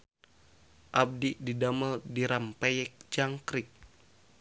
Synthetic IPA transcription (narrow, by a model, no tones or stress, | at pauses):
ʔab̚dididaməldiɾampajɛk̚d͡ʒaŋkɾik̚